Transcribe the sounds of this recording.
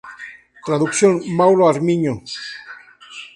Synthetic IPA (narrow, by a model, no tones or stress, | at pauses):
t̪ɾaðuksjonmawloaɾmiɲo